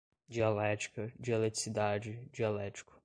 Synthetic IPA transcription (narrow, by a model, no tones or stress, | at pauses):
d͡ʒialɛt͡ʃi̥kɐd͡ʒialɛt͡ʃi̥sid̪ad͡ʒɪd͡ʒialɛt͡ʃi̥kʊ̥